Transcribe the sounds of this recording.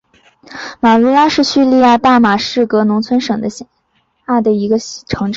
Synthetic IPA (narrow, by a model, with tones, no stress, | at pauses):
ma˨˩lu˧˥la˥ʂɻ̩˥˧ɕy˥˧li˥˧ja˥˧t̪a˥˩ma˨˩ʂɻ̩˥˩kɤ˧˥nʊ˧˥ŋt͡sʰwə˥nʂɤ˨˩ŋd̪ə˦ɕ | a˥˩d̪ə˩i˧˥ɡə˧ʈ͡ʂʰɤ˧˥ŋʈ͡ʂ